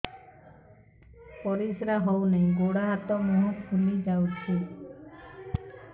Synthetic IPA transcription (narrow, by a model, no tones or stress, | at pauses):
pɔɾisɾaɦɔwnaĩɡoɽaɦat̪ɔmunũkʰulid͡ʒawt͡ʃʰi